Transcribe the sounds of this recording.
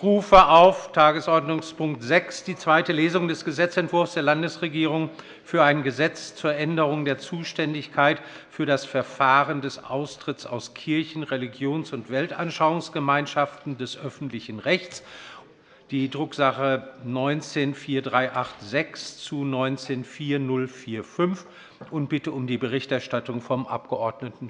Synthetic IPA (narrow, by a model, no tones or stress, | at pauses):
ʁuːfəʔaʊftʰaːɡəsʔɔɐdnʊŋspʰʊŋk̚tz̥ɛksd̥iːt͡sv̥aɪtəleːzʊŋdɛsɡ̥əzɛt͡sɛntv̥ʊɐfsd̥eːɐlandəsʁeɡiːʁʊŋ | fyːɐaɪnɡəzɛt͡st͡suːɐʔɛndəʁʊŋdeːɐt͡suːʃtɛndɪçkʰaɪtfyːɐɾasfɛɐfaːʁəndɛsʔa̰ʊstʁ̥ɪtt͡sa̰ʊskʰɪɐçn̩ʁeliɡjoːnsʊntv̥ɛltʔanʃaʊʊŋsɡ̥əmaɪnʃaftn̩dɛsʔœfn̩tlɪçn̩ʁɛçt͡s | d̥iːdʁʊkz̥aχənɔʏnt͡seːnfiːɐdʁaɪʔaχtz̥ɛkst͡sunɔʏnt͡seːnfiːɐnʊlfiːɐfʏnf | ʔʊnt̚b̥ɪtəʊmdiːbəʁɪçtɛɐʃtatʊŋfɔmʔa̰p̚ɡ̥əʔɔɐdnətn̩